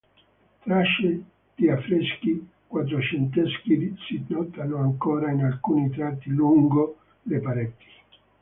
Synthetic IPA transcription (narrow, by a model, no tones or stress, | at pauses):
t̪ɾaʃːe | d̪̥iafːɾeski | kwat̪̬ɾot͡ʃent̪̬ɛskid̪isinɔt̪anoaŋkoːɾainalkuːnit̪ɾat̪ːiluŋɡo | lepaɾɛt̪ːi̥